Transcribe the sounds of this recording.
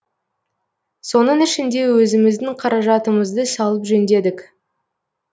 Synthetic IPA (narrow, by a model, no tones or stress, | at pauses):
so̞nəɴɪʃɪnd̪e̞wɵzɪmɪzd̪ɪŋqʰɑɾɑʒɑt̪əməzd̪əsɑlˠəpʒɵnd̪e̞d̪ɪk